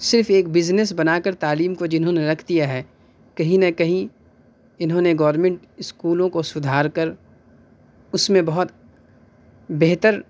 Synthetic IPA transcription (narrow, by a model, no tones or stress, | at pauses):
sɪɾfeːkbɪznes̬bɐnaːkəɾt̪aːliːmkod͡ʒɪnɦõneɾɐkʰd̪ijaɦɛː | kɐɦĩnɐkɐɦĩ | ɪnɦõneɡɔːɾmẽɳʈ | ɪskuːlõkosʊd̪ʱaːɾkɐɾ | ʊsmẽbɐɦɔt̪ | beɦt̪əɾ